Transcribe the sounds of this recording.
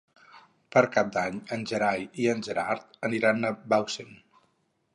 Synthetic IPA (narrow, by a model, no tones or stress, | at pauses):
pəɾkap̚d̪aɲənʲʒəɾajiənʲʒəɾaɾt̪əniɾanəbawsen